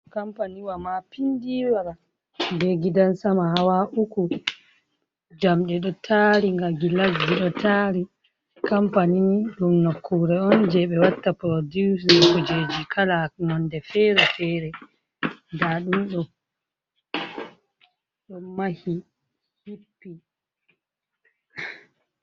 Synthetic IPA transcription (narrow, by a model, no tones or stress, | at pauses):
kampaniwamapindiwwaɾa | dɛɡidansamahawaʔuku | d͡ʒamɗɛɗɔtʰaːɾiŋɡaɡilaɡːiɗɔtʰaɾi | kampaniniɗumnokʰːuɾɛɔnd͡ʒɛɓɛwatːapɾodisikud͡ʒed͡ʒikʰalanɔndɛfɛɾɛfɛɾɛ | daɗumɗɔ | ɗɔmahi | hipːi